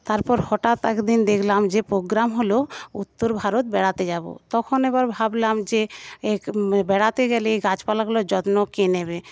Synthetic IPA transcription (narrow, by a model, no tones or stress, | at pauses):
t̪aɾpɔɾhɔʈat̪ɛkd̪ind̪ekʰlamd͡ʑepɾoɡɾamɦolout̪ːoɾbʱaɾot̪̚bɛɽat̪ed͡ʑabo̰t̪ɔkʰoneβaɾbʱablamd͡ʑeebɛɽat̪eɡɛleɡat͡ɕpalaɡulod͡ʑɔt̪nokenebe